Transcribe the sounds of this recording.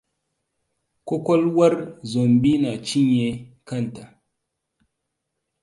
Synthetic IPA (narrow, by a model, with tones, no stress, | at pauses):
ko˦kɔ˦lwa˦ɾzo˨mbi˦na˨t͡ʃi˦ɲe˨ka˦˨n˨ta˨